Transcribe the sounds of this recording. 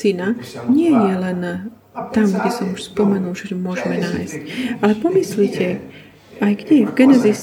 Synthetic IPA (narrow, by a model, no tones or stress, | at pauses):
inaɲɪɛjɛlɛn | t̪amɡɟɛsɔmuʃspɔmɛnulʒɛmʊɔʒɛmɛnaːjscalɛpɔmislicʰɛ | ajɡɟɛjɛvɡɛnɛzis